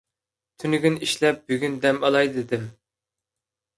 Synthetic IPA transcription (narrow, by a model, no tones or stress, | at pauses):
t̪ʰynyɡʲyniʃlɛp̚byɡʲynd̪ɛmɑlˠɑjd̪ɨd̪ɪm